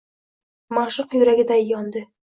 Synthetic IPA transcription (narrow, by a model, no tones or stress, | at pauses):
mɒʃɤqjɵɾæɡʲɪd̪æjɒnd̪ɤ